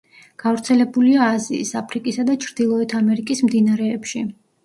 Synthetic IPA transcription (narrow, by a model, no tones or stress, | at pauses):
ɡ̥avɾt̪sʰɛlɛbuliaːziːsapʰɾikʼisad̪at͡ʃʰɾd̪̥ilˠɔɛt̪ʰamɛɾikʼismd̪inaɾɛːpʃi